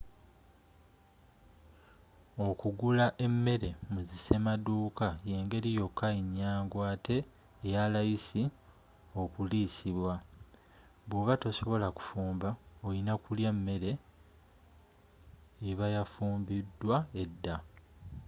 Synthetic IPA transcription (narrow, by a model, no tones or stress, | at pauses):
o̞kuɡulaʔe̞mːe̞ɾe̞muzise̞maduːkaje̞ːŋɡe̞ɾijo̞kʰːaiɲːaːŋɡwaːtʰe̞ː | jalajisi | o̞kulisiβwa | βwoβato̞so̞βo̞laku̥fuːmbaojinakuljamːe̞ɾe̞ | βajafuːmbidːwae̞dːa